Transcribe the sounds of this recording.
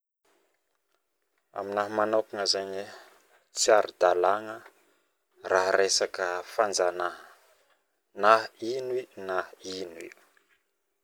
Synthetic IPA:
a̰minaɦmanakuŋəzaɲi | t͡siaɾid̪alaŋə | raɦɾesakəfand͡zanaɦə | naɦinwinainḭ

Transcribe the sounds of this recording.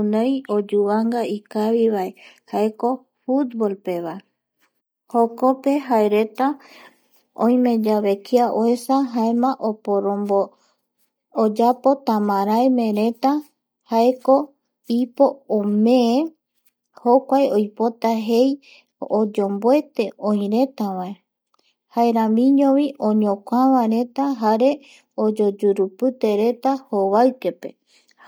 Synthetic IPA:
nẽjod͡ʒuβaŋɡaikaβiβaehae̞ko̞ | fut̪̚bolpe̞βae | hokope̞ɦaeɾe̞t̪a | õ̰j̃mẽ̞d͡ʒaβe̞kiaʔoe̞saɦaemãʔopoɾõmbo | d͡ʒapo̞t̪ãmãɾaemẽ̞ɾe̞t̪a | haeko̞ | ipo̞omẽe | hokʷaeojpo̞t̪aɦe̞j | od͡ʒo̞mboe̞t̪e̞õj̃ɾe̞t̪awae | haeɾãmĩɲõʋĩʔõɲõkʷaβãɾe̞t̪aɦaɾe̞ | od͡ʒod͡ʒuɾupɨt̪e̞ɾe̞t̪ahoβaɨke̞pe̞̰

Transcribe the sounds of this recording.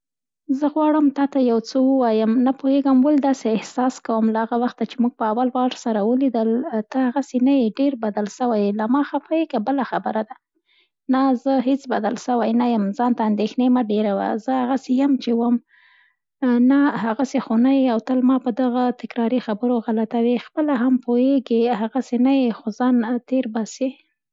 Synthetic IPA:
zəɣwɑɽəmt̪ɑt̪ajawt͡səwəwɑjəmnapuheɡəmwəld̪ɑseɪhsɑskawəmlahaɣawaxt̪at͡ʃemuɡ̚pəawalwɑɾsaɾawəlid̪əlt̪əhaɣasenajeɖeɾbad̪alʃəwajlamɑxafajekabəlaxabəɾad̪a | nazəɦet͡sbad̪alʃəwajnajəmzɑnt̪aːnd̪exnemaɖeɾawa̰zəhaɣasejəmt͡ʃewəm | nahaɣasexonajiawt̪əlmɑpəd̪aɣat̪ɪkɾɑɾixabəɾoɣalat̪awexpəlaɦampoeɡeɦaɣasenajexozɑnt̪eɾbɑse

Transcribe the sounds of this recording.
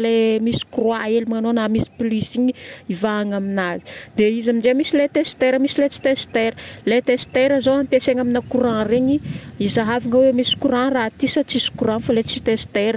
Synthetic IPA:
lemisi̥kuroaelimanonamisi̥plisiɲiivaːŋaminazi̥d̪eizamind͡ʒemisilet̪est̪eɾəmisilet͡si̥t̪est̪eɾəlet̪est̪eɾəzoɦampeseŋaminakuɾãreɲiizaɦavaŋəwemisi̥kuɾãrat̪isət͡sisi̥kuɾanfalet͡sit̪est̪eɾə

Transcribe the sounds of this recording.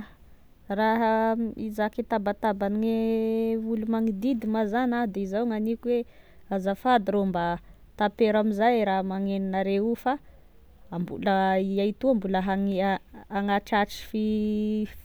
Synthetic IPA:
raɦaizakit̪abat̪abaniŋe | ulumaŋid̪id̪imazanad̪eizawŋanikuwe | azafad̪iɾomba | t̪apeɾamizajɾaɦmaŋeninaɾeufa | ambṵləiajt̪uambuləɦaŋaŋaʈ͡ʂaʈ͡ʂi̥fi

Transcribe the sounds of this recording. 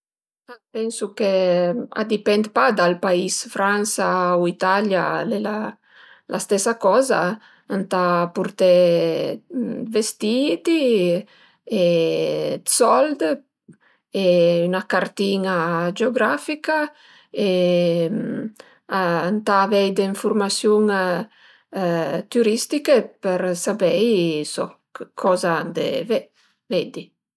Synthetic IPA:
apɛnsukea̰d̪ipɛnd̪pad̪alpaisfɾansauit̪alja̰lela | lʔast̪ɛsakɔza | ant̪apuɾt̪ɛ | vest̪it̪i | e | sɔld̪ | eynakaɾt̪inad͡ʒeoɡɾafika | e | aant̪aːvɛjd̪eĩɱfuɾmasjuŋ | t̪yɾist̪ikepeɾsabɛjsɔ̰kkʰɔzad̪ḛve | ved̪i

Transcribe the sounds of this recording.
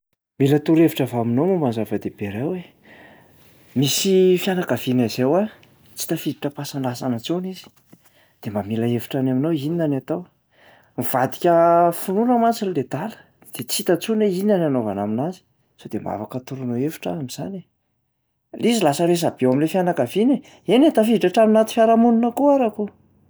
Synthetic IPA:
milət̪uɾeviʈ͡ʂavaaminomumbanzavəd̪eb̥eɾawe | misifjanakəvinazewa | t͡si̥t̪əfid̪iʈ͡ʂəpasanlasanət͡sunizi̥ | d̪̥emamilaeviʈ͡ʂanaminowininanat̪aw | miv̥ad̪i̥kʲəfununəmat͡siniled̪alə̥ | d̪̥et͡sit̪ət͡suneinananova̰na̰minazi̥ | sod̪emba̰fakət̪uɾunoefu̥ʈ͡ʂəamiz̥a̰ne | lizilasəɾes̬ab̥ewamilefjanakavine | enet̪afiiʈ͡ʂaʈ͡ʂaminat̪i̥fʲjaɾamununəkuaɾaku

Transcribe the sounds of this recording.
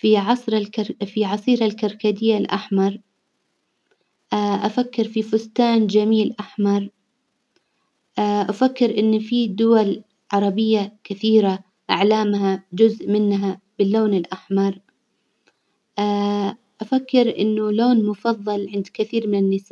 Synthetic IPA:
fiʕɑsˤɾafiʕɑsˤiːɾalkɑɾˤkad̪ɪjːalʔa̰ħmɑɾˤ | ʔaʔafakːɪɾfifʊst̪aːnd͡ʒamiːlʔaħmɑɾˤ | ʔaʔafakːɪɾʔɪnːfid̪ʊwal | ʕɑɾˤɑbɪjːakɪθiːɾa | ʔaʕlaːmhad͡ʒʊzʔmɪnɦab̥ɪlːoːnɪlʔaħmɑɾˤ | ʔa | ʔafakːɪɾʔɪ̰nːʊloːnmʊfɑðˤːɑlʕɪnd̪kɪθiːɾmɪnɪnːɪsa

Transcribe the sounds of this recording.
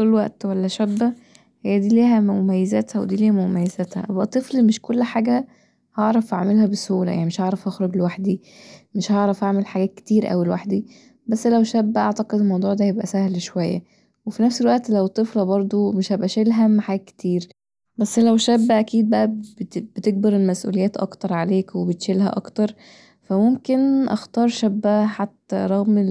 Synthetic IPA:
ollwæʔt̪wælːæʃæbːæ | hejːæd̪iːliːɦæmomæjːezæt̪hæwḛd̪iːliːhæmomæjːezæt̪hæ̰ʔæbʔæt̪ˤːeflimeʃkolːħaːɡæ | hɑʕɾˤɑfʔaʕmelhæbeshuːlæ̰ja̰ʕnimeʃhɑʕɾˤɑfhɑxɾoɡlewaħd̪i | meʃhɑʕɾˤɑfʔaʕmelħaɡæːt̪̚ke̥t̪iːɾʔæ̰wilwaħd̪i | bæsːlæwʃæbːæʔɑʕt̪ɑqed̪elmɑwd̪ˤuːʕd̪æjebʔæ̰sæhlʃowæjːæ̰ | wefinæfselwæʔt̪læwet̪ˤːeflɑbɑɾˤd̪ˤomeʃhæbʔæʃelɦæmːħaɡæke̥t̪iːɾ | bæsːlæwʃæbːæʔækiːd̪̚bæʔæb̪b̥et̪eɡ̚bɑɾelmæsʔṵːlejæːt̪ʔɑ̰kt̪ɑɾˤʕaleːkwebet̪ʃelɦæ̰ʔɑ̰kt̪ɑɾˤ | fæmomkenʔɑ̰xt̪ɑːɾˤʃæbːæħat̪ːæɾˤɑɣm

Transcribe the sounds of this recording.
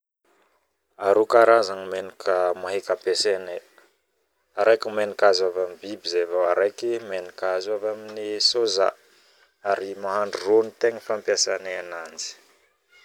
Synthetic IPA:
aɾukaɾazaŋimenikʰəmaɦekapesene | aɾajkimenikazavamibibizevaaɾajkimenikazavaminisoza̰ | aɾimaɦaɳɖ͡ʐuronit̪eŋəfampjasaneanand͡zi̥

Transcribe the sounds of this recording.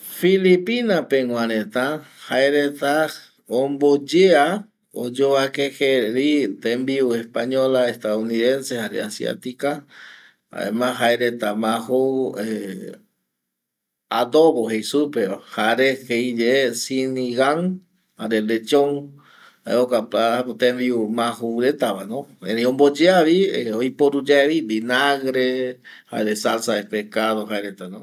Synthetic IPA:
filipinapeŋʷwʷãɾet̪a | haeɾet̪a | ombod͡ʒea | o̰d͡ʒoakexeɾit̪embiuespaɲolaest̪aðuniðensehaɾḛasja̰t̪ika | a̰ḛmãɦaeɾet̪amaxoe | ad̪oβoɦejsupehaɾeheid͡ʒeesiniɣaŋ | haɾelet͡ʃõŋ | aeokapapot̪embiumãɦuɾet̪aβanõẽɾiõmbod͡ʒeaʋieojpoɾud͡ʒaeβid̪inaɣɾeha̰eɾesalsaepekaðoɦaeɾet̪anõ

